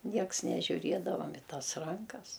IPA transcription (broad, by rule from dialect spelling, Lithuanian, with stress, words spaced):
ˈnʲiɛks nʲɛʒʲʊˈrʲiɛdɐʋɐm ɪ ˈtɐs ˈrɐŋkɐs